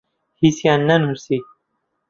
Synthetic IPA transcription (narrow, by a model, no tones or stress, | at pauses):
hisjanːɐnusi